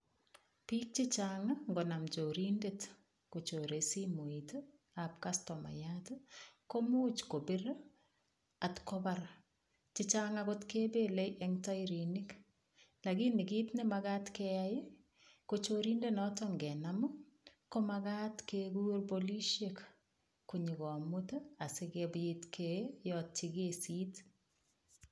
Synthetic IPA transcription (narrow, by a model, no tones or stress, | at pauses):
piːk̚t͡ʃɪt͡ʃaŋaŋɡonamt͡ʃoɾindet | kot͡ʃoɾesimoit | apkastɔma̰jatkomuːt͡ʃkobɪɾ | atkɔbaɾ | t͡ʃɪt͡ʃaŋakotkeːbeleʔɛŋtajɾinɪk | lakinɪkiːtnɛmakatkejaje | kot͡ʃoɾindenɔtɔŋɡɛnamu | komakatkeɡurboliʃek | kuɲikɔmʊtasekebjitkʰejɔt̚t͡ʃikesiːt